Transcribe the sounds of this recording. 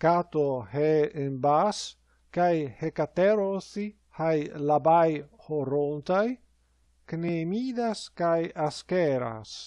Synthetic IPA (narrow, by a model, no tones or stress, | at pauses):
kat̪oheembas | kajhekat̪eɾonθi | hajlabajhoɾont̪aj | knemiːd̪askajaskeɾa̰s